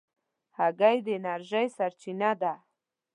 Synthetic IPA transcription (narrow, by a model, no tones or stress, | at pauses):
haɡajd̪əɪnaɾʒajsaɾt͡ʃinad̪a